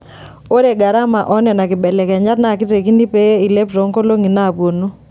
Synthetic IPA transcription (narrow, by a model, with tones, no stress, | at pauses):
o˦ɾe˨ɡa˨ɾa˦ma˨ʔɔ˦nɛ˨na˨kɪ˨bɛ˨lɛ˨kɛ˨ɲa˦tna˨kɪ˦te˨ki˦ni˦pe˦i˨le˦pɾo˨˦ŋko˦lo˦ŋi˨na˦˨pwo˨no˦